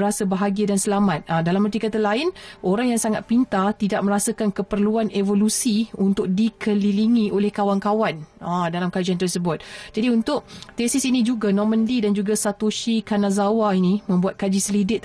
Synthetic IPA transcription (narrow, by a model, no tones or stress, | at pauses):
ɾasabəɦaɡiadansəlamat̪̚adalamənt̪ikat̪əlaɪnʔoɾaŋjaŋsaŋat̪̚pint̪at̪idaʔ̚mə̃ɾasakankəpərluanevolusiunt̪ʊk̚dikʰəliliŋĩʔolɛhkawankawanadalamkad͡ʒiant̪ərsəbʊt̪̚d͡ʒadiunt̪ʊk̚t̪esɪsinĩd͡ʒuɡanɔmə̃ndidand͡ʒuɡasat̪oʃikanazawainĩmə̃mbuat̪̚kad͡ʒisəlidɪt̪